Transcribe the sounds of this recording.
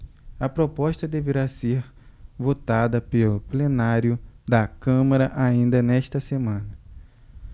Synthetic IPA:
ɐpɾopɔʃt̪ɐd̪eveɾaseɾvot̪ad̪ɐpelʊplenaɾjʊd̪ɐkɐ̃mɐɾɐʔaĩnd̪ɐnɛʃt̪ɐsemɐ̃nɐ

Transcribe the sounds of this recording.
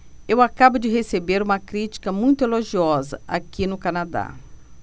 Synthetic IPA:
ewakabʊd͡ʒɪɦesebeɾũmɐkɾit͡ʃi̥kɐmũj̃t̪ʊeloʒiɔzɐ̰ʔakinʊkanad̪a̰

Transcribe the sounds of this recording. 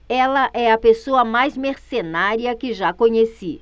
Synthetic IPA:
ɛlɐʔɛɐpesoɐmajzmeɾsenaɾiɐkɪʒakõɲesi

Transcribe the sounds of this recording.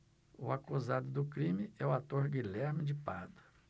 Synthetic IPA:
ʊakuzad̪ʊd̪ʊkɾĩmɪɛʊat̪oɾɡilɛɾmɪd͡ʒɪpad̪ʊ̥

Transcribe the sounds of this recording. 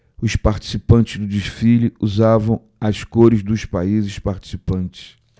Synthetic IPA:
ʊspaɾt͡ʃi̥sipɐ̃nt͡ʃɪzd̪ʊd͡ʒiʃfiliuzavɐ̃w̃ | ɐskoɾɪzd̪ʊspaizɪspaɾt͡ʃi̥sipɐ̃nt͡ʃɪ̥s

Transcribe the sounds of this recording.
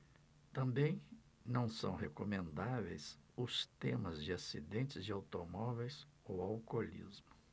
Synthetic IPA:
t̪ɐ̃mbẽj̃ | nɐ̃w̃sɐ̰̃w̃ɦekomẽnd̪avḛjsʊst̪ẽmɐzd͡ʒɪasid̪ẽnt͡ʃɪzd͡ʒɪawt̪omɔvejs | owawkolḭzmʊ̥

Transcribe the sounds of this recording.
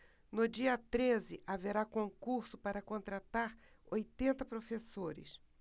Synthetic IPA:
nʊd͡ʒiɐt̪ɾezɪʔaveɾakõŋkuɾsʊpaɾɐkõnt̪ɾat̪aɾ | ojt̪ẽnt̪ɐpɾofesoɾɪ̰s

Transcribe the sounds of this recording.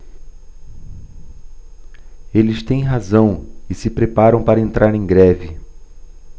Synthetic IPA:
elɪst̪ẽj̃ɦazɐ̃w̃ɪsɪpɾepaɾɐ̃w̃paɾɐẽnt̪ɾʔaɾẽj̃ɡɾɛvɪ

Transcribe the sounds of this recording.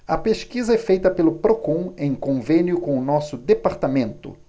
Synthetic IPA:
ɐpeʃkizɐɛfejt̪ɐpelʊpɾokõẽj̃kõvẽnjʊkõʊnɔsʊd̪epaɾt̪amẽnt̪ʊ̰

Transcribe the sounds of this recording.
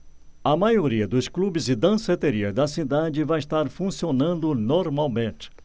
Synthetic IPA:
ɐmajoɾiɐd̪ʊsklubɪzɪd̪ɐ̃set̪eɾiɐzd̪ɐsid̪ad͡ʒɪvajɪst̪aɾfũsionɐ̃nd̪ʊnoɾmawmẽt͡ʃɪ̥

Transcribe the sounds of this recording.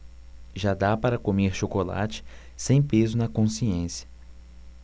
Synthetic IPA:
ʒad̪apaɾɐkomeɾʃokola̰t͡ʃɪ̥ | sẽj̃pezʊnɐkõsiẽsjɐ̥

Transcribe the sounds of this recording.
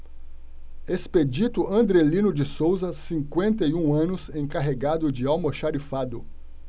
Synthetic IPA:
esped͡ʒit̪ʊʔɐ̃nd̪ɾelĩnʊd͡ʒɪsowzɐsĩŋkwẽnt̪ɐjũɐ̃nʊsẽj̃kaɦeɡad̪ʊd͡ʒɪawmɐʃaɾifad̪ʊ

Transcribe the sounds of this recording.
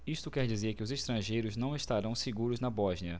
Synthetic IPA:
iʃt̪ʊkɛɾd͡ʒizeɾkɪʊzeʃt̪ɾɐ̃ʒejɾʊznɐ̃w̃eʃt̪aɾɐ̃w̃seɡuɾʊznɐbɔʒniɐ

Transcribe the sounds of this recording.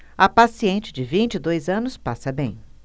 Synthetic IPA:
ɐpasiẽnt͡ʃɪd͡ʒɪvĩt͡ʃɪd̪ojzɐ̃nʊspasɐbẽj̃

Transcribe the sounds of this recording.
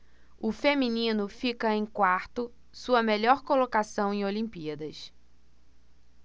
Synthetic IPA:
ʊfemĩnĩnʊfikɐẽj̃kwaɾt̪ʊ | suɐmeʎɔɾkolokasɐ̃w̃ẽolĩmpiɐd̪ɐs

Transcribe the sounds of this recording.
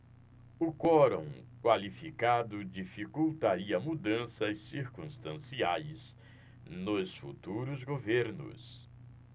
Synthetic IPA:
ʊkɔɾõ̰w̃kwalifikad̪ʊd͡ʒifikuwt̪aɾiɐmud̪ɐ̃sɐsːiɾkũst̪ɐ̃siajs | nʊsfṵt̪uɾʊzɡoveɾnʊ̰s

